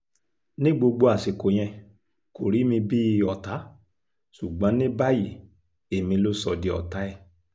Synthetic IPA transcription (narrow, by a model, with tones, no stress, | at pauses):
nĩ˦ɡ͡bo˧ɡ͡bo˧a˨se˨ko˨j̃ɛ̃˧ | ko˨ɾi˨˦mĩ˧bi˦˧˦ɔ˨ta˨˦ | su˨ɡ͡bɔ̃˨˦nĩ˦ba˦ji˨ | e˨mĩ˧lo˦sɔ˧˨di˧˦ɔ̰˨ta˨˦ɛ˦˨